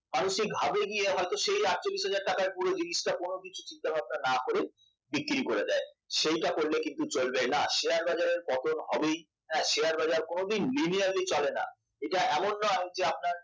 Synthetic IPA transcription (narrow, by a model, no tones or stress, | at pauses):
manuʃiɡʱabeɡieɦɔet̪oʃejaʈ̚t͡ɕolːiʃɦad͡ʑaɾ̚ʈakaɾpuɾod͡ʑiniʃʈakonokit͡ɕʰu̥t͡ɕint̪abʱab̚nanakoɾe | bikːɾikoɾed̪ae | ʃejʈakoɾlekint̪ut͡ɕolbenaʃeaɾbad͡ʑaɾeɾkɔt̪onɦɔbej | ɦɛ̃ʃeaɾbad͡ʑaɾkonod̪inliniaɾlit͡ɕɔlena̰ | eʈaʔɛmonːɔaɦed͡ʑeap̚naɾ